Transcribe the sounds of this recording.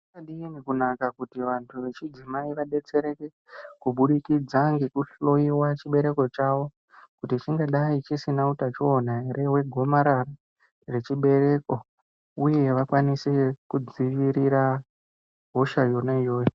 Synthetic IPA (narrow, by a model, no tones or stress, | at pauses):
aɗiinikunakakutiʋantʰuʋe̞t͡ʃid͡zimaiʋaɗe̞t͡se̞ɾe̞ke | kuɓuɗikid͡zaŋɡekuɬo̞iwat͡ʃiɓe̞ɾe̞ko̞t͡ʃaʋo̞ | kutit͡ʃiŋɡaɗait͡ʃisinautat͡ʃionaeɾʔe̞we̞ɡʱo̞maɾara | re̞t͡ʃiɓe̞ɾe̞ko̞ | uje̞ʋakwanisekud͡ziʋiɾiɾa | ɦo̞ʃajo̞naijo̞ːjo